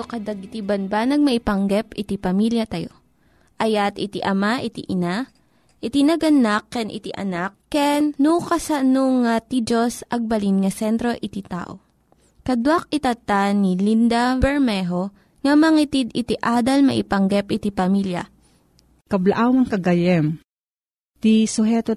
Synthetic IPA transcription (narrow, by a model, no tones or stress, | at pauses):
okɐd̪ɐɡɪt̪ibɐnbanɐɡ̚mɐʔɪpɐŋɡɛpɪt̪ipɐmiljɐt̪ɐjo | ʔɐjat̪ɪt̪iʔɐmaʔɪt̪iʔɪna | ʔɪt̪inɐɡɐnakːɛnʔɪ̰t̪iʔɐ̰nak̚ːɛnːukɐsɐnoŋat̪id͡ʒosʔɐɡ̚bɐlinŋɐsɛnt̪ɾo̞ʔɪt̪it̪a̰ːʔo̰ | kɐd̪wak̚ɪt̪ɐt̪anilind̪abɛɹmɛɦo | ŋɐmɐŋit̪id̪ɪt̪iʔaːd̪ɐlmɐ̰ʔɪpɐŋɡɛpʔɪt̪ipɐmiljɐ̰ | kɐblaʔawmɐŋkɐɡɐjɛm | t̪isʊɦɛːt̪o